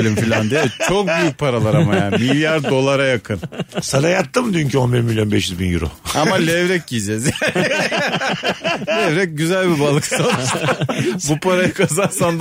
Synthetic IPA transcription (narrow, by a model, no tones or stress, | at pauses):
lʲimfilʲand̪eɛt͡ʃʰok̚byjyc̚ʲpʰaɾalˠaɾamajamilʲjaɾd̪o̞lˠaɾajakʰɯnsalajat̪ːɯmd̪yyncʰyo̞nbiɾmilʲjo̞nbɛʃjyzbinjy̰ɾo̰ammalʲɛvɾɛc̚ɟid͡ʒɛzjæn | lʲɛvɾɛc̚ɟyzælʲbibalˠɯksalˠ | bupʰaɾajakʰazaɾsand̪